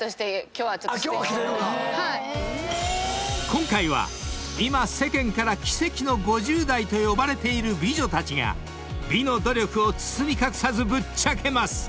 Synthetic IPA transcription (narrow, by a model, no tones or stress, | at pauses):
soɕi̥t̪ekʲoːβat͡ɕoo | ha | kʰõ̞ŋkaiβ̞a̰ | imase̞kẽ̞ŋkaɾakʲi̥se̞kʲino̞ɡo̞ʑɨːd̪ait̪o̞jo̞baɾe̞t̪e̞iɾɯ̟bʲiʑo̞t̪at͡ɕiŋa̰ | bʲino̞d̪o̞ɾʲo̞kɯ̟o̞t͡sɨ̥t͡sɨmʲikakɯ̟̥sazɨbɯ̟t͡ɕːakʰe̞masɨ̥